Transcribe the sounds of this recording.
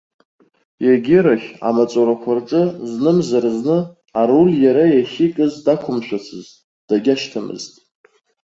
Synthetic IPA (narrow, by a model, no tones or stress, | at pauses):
jaɡʲɪɾaχʲa̰mat͡sʼoɾakʷʰarʈ͡ʂʼɨznɨmzarznɨ | aruljaɾajaχʲikʼɨzdakʷʰʊmʃʷᶣat͡sʰɨztʼ | d̥aɡʲaʃtʰamɨ̰ztʼ